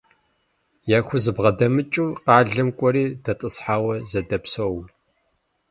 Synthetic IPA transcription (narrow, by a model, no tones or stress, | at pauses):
jaːxʷʊzɨbʁɐdɐmɨt͡ʃʼuːqɑːɮɐmkʷʼɔɾiːdɐtʼɨsħaːwɐzɐdɐpsɐw